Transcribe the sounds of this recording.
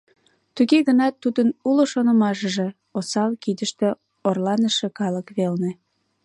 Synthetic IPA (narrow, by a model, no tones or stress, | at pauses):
t̪uɣeɣənɑt̪ːud̪ənuloʃonŏmɑʃəʒe | osɑlkid̪əʃt̪ĕ | orlɑnəʃĕkɑləkβelne